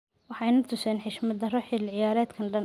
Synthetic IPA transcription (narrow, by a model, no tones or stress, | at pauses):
wɑħɑjnɐt̪ʰʊsɛːnħɪʃmɐd̪ɐrɔħɪlʕɪjaːɾɛːd̪kʰɐnɖɐn